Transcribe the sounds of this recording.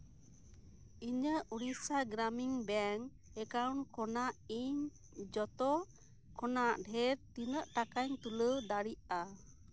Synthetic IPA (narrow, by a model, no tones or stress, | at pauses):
iɲəʔuɾisaɡɾamiŋbɛŋ | ɛkawnkɔnaʔiɲ | d͡ʒɔt̪ɔ | kʰɔnaʔɖʱɛɾt̪inəʔʈakaɲt̪uləɖaɽiʔa